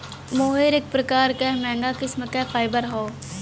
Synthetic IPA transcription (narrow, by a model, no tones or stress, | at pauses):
moːɦeɾek̚pɾəkaːɾkɛmɛ̃ːŋɡaːkɪsmkɛfʰaːɪbəɾɦoː